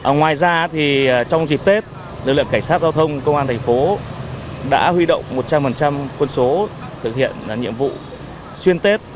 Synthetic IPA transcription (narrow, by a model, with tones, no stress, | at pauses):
ʔə˨˩ŋwaː˨˩jzaː˧˦t̪ʰi˨˩˨t͡ɕɔ˧wŋ͡mzi˨˩p̚t̪e˦˥t̚ | lɨ˨˩k̚lɨ̰˧˨ə˨ka˧˩ŋsaː˦˥t̚zaː˧wt̪ʰə˧wŋ͡mkə˧wŋ͡maː˧nt̪ʰɛ˨˩ŋ̟fo˨˦ | ɗa̰ː˧˥hwi˧ɗo̰˧˨wŋ͡mmo˨˩t̚t͡ɕa˧mfə˨˩nt͡ɕa˧mkwə˧nso˨˦t̪ʰɨ˨k̚hḭ˧˨ən˨˩ɲḭ˧˨əmvṵ˧˨ | swi˧ənt̪e˦˥t̚